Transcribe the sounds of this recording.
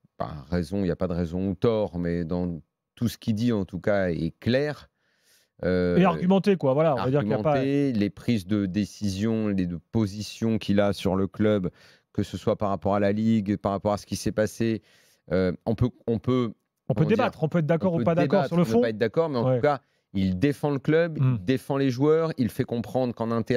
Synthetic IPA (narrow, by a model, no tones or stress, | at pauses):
pa̰ʁezɔ̃iljapad̪əʁezɔ̃ut̪ɔʁmɛd̪ɑ̃ | t̪usə̥kʲid̪iɑ̃t̪ukaɛklɛːʁ | øeaʁɡʲymɑ̃t̪ekwavwalaɔ̃a̰vad̪iʁymaɑ̃tpaelepχizd̪əd̪esizjɔ̃lepozisjɔ̃kʰʲilasyʁləklœb | kəsəswapaʁapɔʁalaliɡpaʁapɔʁasə̥kʲisɛpase | øɔ̃pøɔ̃pø | kɔ̃pɔpødd̪edibat̪χɔ̃pøɛt̪χd̪akɔʁupad̪aebɔt̪syʁlənə̃paɛt̪̚d̪akɔʁmɛɑ̃uka | ild̪efɑ̃ləklœbid̪efɑ̃leʒwœʁilfɛkɔ̃pχɑ̃d̪ʁkɑ̃nɛ̃t̪e